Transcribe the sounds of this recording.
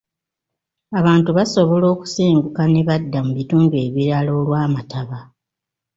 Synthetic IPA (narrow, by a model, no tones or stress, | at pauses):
aβaːntuβaso̞βo̞lo̞ːku̥siːŋɡukane̞βadːamuβituːmbue̞ːβiɾalo̞ːlwaːmataβa